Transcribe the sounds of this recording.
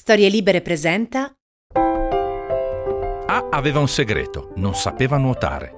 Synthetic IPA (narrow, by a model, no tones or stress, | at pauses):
st̪ɔːɾjeliːbeɾepɾezɛnt̪a | aaveːvaunseɡɾḛːt̪ononsapeːvanwot̪a̰ːɾḛ